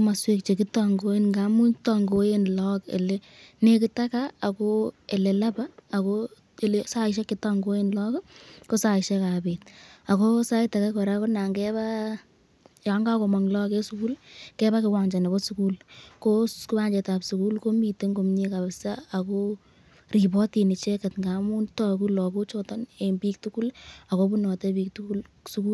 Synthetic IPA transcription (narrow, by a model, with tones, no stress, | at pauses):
ma˨swe˦kt͡ʃe˨ki˦tɔ˨ŋɡo˦e˦nŋɡa˨mu˦tɔ˨ŋɡo˦je˦nlɔ˦kḛ˨le˦ | ne˦ki˦ta˦kaː˦˨ko˦e˨le˨la˦paː˦˨ko | e˨le˨sa˦ɪʃ̬a˦kːɪ˦tɔ˨ŋɡo˦je˦nlɔ˦kko˦sa˨ɪʃe˦ka˨be˨t̚a˨ko˦sa˦i˦ta˨ka˦kɔ˨ɾa˦ko˦na˨ŋɡɛ˦ba | ja˨ŋɡako˨ma˨ŋlɔ˦kɛ˦suku˦lkɛ˦ba˦kɪ˨wa˨ŋd͡ʒa˨ne˨bɔ˦suku˦lkoku˦ba˦ɲd͡ʒɛ˨ta˨psu˨ku˦lko˦mi˨te˦ŋɡo˨mɲi˦ka˨bɪsa˦ako | ri˨bɔ˦ti˨ni˨t͡ʃɛ˦kɛ˨tŋɡa˨mu˦ntɔ˦ku˦lɔ˨ko˦t͡ʃɔ˦ta˦ne˨mbi˦k̚tu˦ku˦la˨ko˦bu˦nɔ˨tɛbi˦ktukul | su˦ku˦